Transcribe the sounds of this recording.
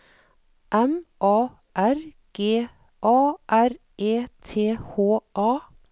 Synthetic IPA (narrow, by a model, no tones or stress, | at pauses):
ʔɛmʔɑː | ʔæɾ | ɡ̥eː | ʔɑːʔæɾ | eːt̪ʰeːhoːʔɑː